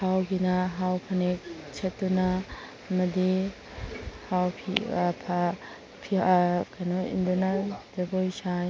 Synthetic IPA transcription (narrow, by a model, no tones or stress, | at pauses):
hawɡinɐɦawpʰɐnek̚t͡ʃʰɐtːunɐː | mɐdi | hawpʰḭpʰa | pʰikajnɔḭndunɐd͡ʒɐbojsaj